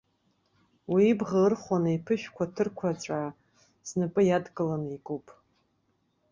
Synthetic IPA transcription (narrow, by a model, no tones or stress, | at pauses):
wiːbʁaɨrχʷanaipʰɨʃᶣkʷʰatʰɨrkʷʰat͡ʃʷʼa | znɨpʼɨjadkʼɨlanikʼupʼ